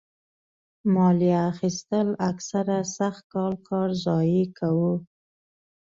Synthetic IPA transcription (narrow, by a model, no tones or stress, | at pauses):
mɑliaːxist̪əlaksaɾasaxt̪̚kɑlkʰɑɾzɑjikʰawu